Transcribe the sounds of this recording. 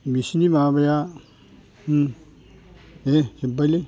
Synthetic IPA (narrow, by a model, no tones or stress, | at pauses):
misinimabɐja | ehibali